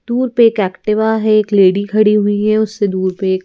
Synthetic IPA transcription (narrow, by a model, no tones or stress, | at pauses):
d̪̥uːɾpeːkɛːkʈɪʋaɦɛeːkleːɽikʰɐɽiɦʊiɦɛʊsːed̪uːɾpeːk